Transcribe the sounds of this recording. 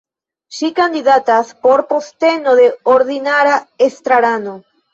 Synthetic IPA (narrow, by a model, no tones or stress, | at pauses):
ʃikand̪iðat̪aspoɾpost̪enoðeoɾðinaɾaest̪ɾaɾano